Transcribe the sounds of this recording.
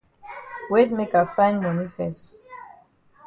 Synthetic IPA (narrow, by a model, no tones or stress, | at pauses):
wet̚mekafãɪ̃nmanifɛst